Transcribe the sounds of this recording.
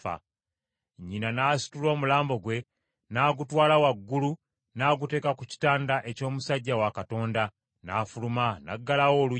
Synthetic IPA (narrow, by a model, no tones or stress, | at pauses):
a̰ | ɲːinanaːsi̥tulo̞ːmulaːmbo̞ɡwe̞ | naːɡutwaːlawaɡːulu | naːɡute̞ːkakuci̥taːndaʔe̞co̞ːmusaɟːawakato̞ːnda | naːfulumana̰ɡːalawo̞ːlu